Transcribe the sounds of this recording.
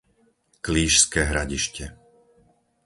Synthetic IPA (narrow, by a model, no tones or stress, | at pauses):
kliːʃskɛːɦɾaɟiʃcɛ